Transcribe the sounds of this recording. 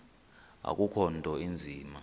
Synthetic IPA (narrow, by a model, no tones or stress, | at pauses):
a̰k̬ʼukʰɔntɔind͡zʱiːma